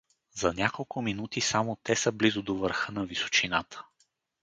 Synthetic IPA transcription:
zɐnʲakolˠkʰʊminut̪isamot̪ɛsəblizʊd̪ovəɾxɤnɐviso̥t͡ʃinat̪ʰə̥

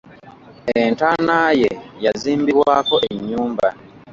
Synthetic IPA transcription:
entanaːje̞jaziːmbiβwaːko̞ʔeɲːuːmba

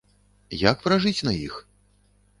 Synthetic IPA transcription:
jakpɾaʐɨt͡sʲnɐjḭx

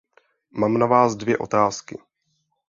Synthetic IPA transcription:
maːmnavaːzdvjɛʔo̞t̪aːskɪ

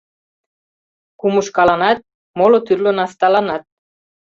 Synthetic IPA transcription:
kumuʃkɑlɑnɑt̪̚ | molot̪yrlonɑst̪ɑlɑnɑt̪̚

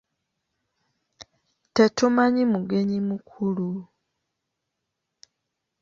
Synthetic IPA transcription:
tetumaɲimuɡe̞ɲimukʰulu

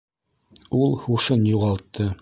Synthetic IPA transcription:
ulˠhuʃɤnjuʁɑlˠt̪ʰːɤ

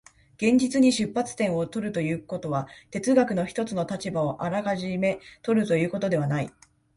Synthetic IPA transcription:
ɡ̥ẽ̞ɲ̟d͡ʑit͡sɨɲ̟iɕɨpːat͡sɨ̥t̪ẽ̞ɰ̃o̞t̪o̞ɾɯ̟t̪o̞jɯ̟ːko̞t̪o̞βat̪e̞t͡sɨɡakɯ̟no̞çi̥t̪o̞t͡sɨno̞t̪at͡ɕibao̞ʔaɾakaʑime̞t̪o̞ɾɯ̟t̪o̞jɯ̟ːko̞t̪o̞d̪e̞β̞anai

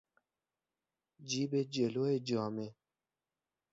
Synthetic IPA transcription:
d͡ʒibed͡ʒeloed͡ʒaːme

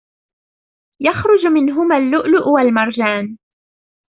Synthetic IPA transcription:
jaxɾʊd͡ʒmɪnɦʊmaːlːʊʔlʊʔwalmɑɾˤd͡ʒaːn

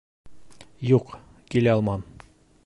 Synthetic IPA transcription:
juq | kilæɑlˠmɑn

